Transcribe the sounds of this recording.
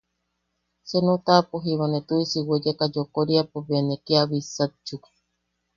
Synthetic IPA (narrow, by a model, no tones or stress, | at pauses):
senũt̪apoɦiβanet̪uisiwed͡ʒekad͡ʒokoɾiapoβenekiaβisat͡ʃuk